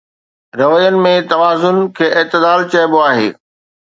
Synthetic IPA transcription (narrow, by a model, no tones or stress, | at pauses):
ɾɐʋəjənɪ̆mẽt̪ɐʋaːzʊnkʰeːʔɪt̪ɪd̪aːlt͡ɕɐjboaːɦḛː